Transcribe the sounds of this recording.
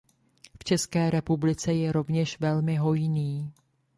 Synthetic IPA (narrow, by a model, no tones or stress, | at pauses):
ft͡ʃɛskɛːɾɛpublɪt͡sɛjɛɾo̞vɲɛʃvɛlmɪɦo̞jniː